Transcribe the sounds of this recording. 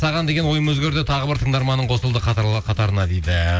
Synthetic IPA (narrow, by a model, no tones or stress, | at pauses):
sɑʁɑnd̪e̞ɡʲenwo̞jəmwɵzɡʲe̞ɾd̪ɪt̪ʰɑʁəbɪɾt̪ʰəɴd̪ɑɾmɑnːəɴqʰo̞səlˠd̪əqʰɑqʰɑt̪ɑɾənɑd̪ejd̪ɪ